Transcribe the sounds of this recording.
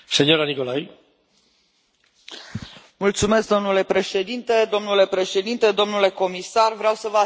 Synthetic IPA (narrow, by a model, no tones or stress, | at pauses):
senioɾanikolaj | mult̪sume̞sk̚d̪o̞mnule̞pɾe̞ʃe̞d̪int̪e̞d̪o̞mnule̞pɾe̞ʃe̞d̪int̪e̞d̪o̞mnule̞ko̞misarvɾeawsəvəa